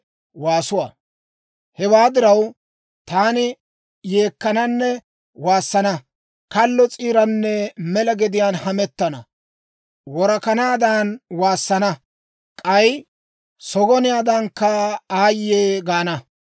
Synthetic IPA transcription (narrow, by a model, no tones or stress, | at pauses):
waːsʊwa̰ː | hɛwaːd̪ɪɾɐw | t̪aːnɪ | je̞ːkːɐnɐnːɛ | waːsːɐnɐ | kɐlːɔt͡sʼiːɾɐnːɛmɛlɐɡɛd̪ɪjaːnhɐmɛt̪ːɐnɐ | wɔɾɐkɐnaːd̪aːnwaːsːɐnɐ | kʼɐj | sɔɡɔnɪjaːd̪ɐŋkːɐaːjːeːɡaːnɐ